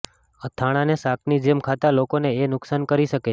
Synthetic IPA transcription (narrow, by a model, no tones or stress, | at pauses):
ət̪ʰaɽ̃ãnesakʰnid͡ʒemkʰat̪alokoneenʊksankəɾiʃəke